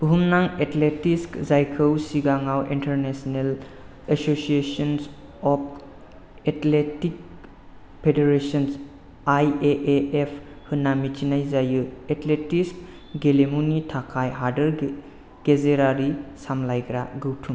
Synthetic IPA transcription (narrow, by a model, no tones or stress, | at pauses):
b̥uɦumnaŋetletiskzajkʰɯwsiɡaŋawintəɾnesɔnel | esosiesɔns | ɔp̚ʰ | etletik̚ | pʰedeɾesɔns | ajeʔeepʰ | hɯnːamit͡ʃinajzajɯetletisk | ɡelemunitʰakʰajɦaɾdəɾ | ɡ̥ezeɾaɾisamlajɡɾaɡɯwtʰum